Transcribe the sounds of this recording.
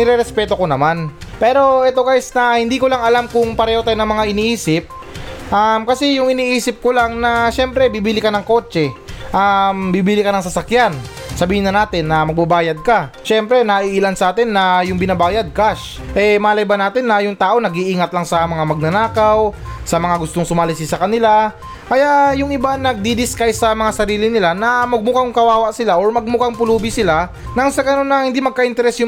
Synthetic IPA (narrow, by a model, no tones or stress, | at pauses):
nɪɾɛɾɛspɛːt̪o̞ko̞nɐman | pɛːɾo̞ʔɛt̪okaɪsnɐhɪnd̪iːkolaŋɐlamkʊŋpɐɾɛːhot̪aːjonɐŋmɐŋaʔɪniːʔiːsɪp̚ | ʔamkɐsɛjʊŋɪniːʔiːsɪp̚kolaŋnɐʃɛmpɾɛbiːbiːlɪkɐnɐŋko̞ːt͡ʃɛʔambiːbiːlɪkɐnɐŋsɐsɐkjan | sɐbiːhɪnːɐnaːt̪ɪnːɐmɐɡ̚babaːjɐd̪̚kɐ | ʃɛmpɾɛnɐʔiːʔilansɐʔaːt̪ɪnːɐjʊŋbɪnabaːjɐd̪̚kaʃ | ʔɛmaːlɐjbɐnaːt̪ɪnːɐjʊŋt̪aːʔo̞nɐɡiʔiːŋɐt̪lɐŋsɐmɐŋamɐɡ̚nɐnaːkawsɐmɐŋaɡʊst̪oŋsʊmaːlɪs̬ɪsɐkɐnɪla | kɐjaʔjʊŋɪbanɐɡ̚d̪id̪ɪskajsɐmɐŋasɐɾiːlɪnɪlanɐmɐɡ̚mʊkaŋkɐwaːwɐʔsɪlaʔo̞ɹmɐɡ̚mʊkaŋpʊluːbɪsɪla | nɐŋsɐɡɐnonːɐhɪnd̪imɐɡ̚kɐʔɪnt̪ɛɾɛsjʊ